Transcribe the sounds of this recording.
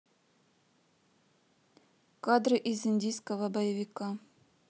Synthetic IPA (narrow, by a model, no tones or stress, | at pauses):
kad̪rɨʔizinʲdʲijskəvəbɐjəvʲikɑ